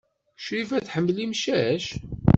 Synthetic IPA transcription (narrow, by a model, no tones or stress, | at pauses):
ʃɾifæθħəmːlimʃæʃ